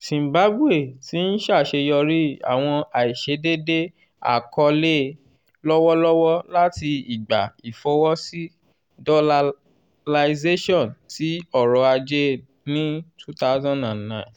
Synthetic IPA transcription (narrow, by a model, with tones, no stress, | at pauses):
sĩ˨mba˨˦bu˦e˦˨ti˨˦n̩˦ʃa˦˨ʃe˧jɔ˧ɾi˦a̰˨w̃ɔ̃˧a˨i˨ʃe˨˦de˦de˦ | a̰˨kɔ˧le˦ | lɔ˦wɔ˦lɔ˦wɔ˦la˦ti˧i˨ɡ͡ba˨i˨fɔ˨˦wɔ˦si˦ | dɔ˧la˧ | la˧ze˦ʃɔ̃˦˨nti˨˦ɔ˦˨ɾɔ˨˧a˧d͡ʒe˦ | nĩ˦tʰu˦ta˦zã˦˨ndã˨nnã˦˨t